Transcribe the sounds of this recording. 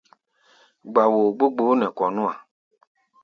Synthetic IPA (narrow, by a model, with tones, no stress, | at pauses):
ɡ͡ba˨wo˨ɡ͡bo˦ɡ͡bo˨˦nɛ̃˨kɔ˨nũ˦a˨